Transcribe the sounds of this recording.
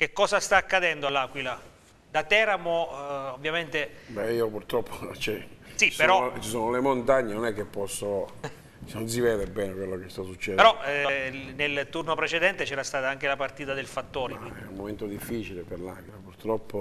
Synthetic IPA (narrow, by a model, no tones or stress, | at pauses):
k̟ekːɔːzast̪aːkːad̪ɛnd̪oalːaːkwila | d̪at̪ɛːɾamoovːjament̪ebɛiːopurt̪ɾɔpʰːot͡ʃɛsipeɾɾɔt͡ʃisoːnolemont̪aɲːenonɛkːepːɔsːo | nons̬ivɛːd̪ebɛːnekwelːokest̪asːut͡ʃːɛpeɾɔ | nelt̪urnopɾet͡ʃed̪ɛnt̪et͡ʃɛːɾast̪aːt̪aaŋk̟elapart̪iːt̪ad̪elfat̪ːoːɾekiɛumːoment̪od̪ifːit͡ʃileperlakwilapurt̪ɾɔpːo